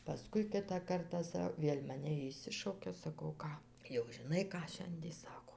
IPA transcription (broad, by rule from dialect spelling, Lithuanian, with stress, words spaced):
pɐˈskʊɪ ˈkʲɪtɑː ˈkɐrtɑː ˈsɐ ˈʋʲeːlʲ mɐˈnʲɛ ɪʃʲˈsʲɪʃɐʊkʲɛ sɐˈkɐʊ ˈkɑː jɛʊ ʒʲɪˈnɐɪ ˈkɑː ˈʃʲɛnʲdʲiɛ ˈsɑːkoː